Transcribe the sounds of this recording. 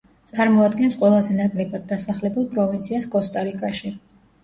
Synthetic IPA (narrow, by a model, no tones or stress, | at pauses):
t̪sʼaɾmɔad̪ɡɛnsqʼwɛlˠazɛnakʼlɛbad̪̚ːasaχlɛbulˠpʼɾɔvint̪sʰiaskʼɔst̪ʼaɾikʼaʃi